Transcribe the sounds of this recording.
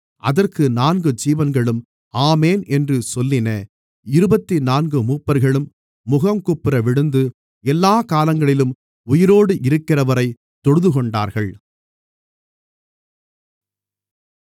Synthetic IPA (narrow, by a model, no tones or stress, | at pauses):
ʔɐ̰ðɐrkɯnaːnɡɯd͡ʒiːʋɐnɡɐɭɯm | aːmeːnʔɛndrɯsɔlːɪnɐ | ɪɾɯbɐt̪ːinaːnɡɯmuːpːɐɾɣɐɭɯmː | ʊɣɐmkʊpːɪɾɐʋɪɽɯnd̪ɯ | ɛlːaːkaːlɐŋɡɐɭɪlɯm | ʊjɪɾoːɽɯʔɪɾɯkːɪrɐʋɐɾɐɪ | t̪ːɔɽɯðɯɣɔɳɖaːɾɣɐɭ